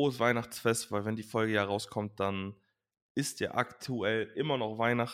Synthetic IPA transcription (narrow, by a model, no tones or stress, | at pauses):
oːəsv̥aɪnaχt͡sfɛstv̥aɪlvɛndiːfɔlɡəjaːʁaʊskʰɔmt̚d̥an | ʔɪstʰja̰ːʔaktʰuɛlʔɪmɐnɔχv̥aɪnaχ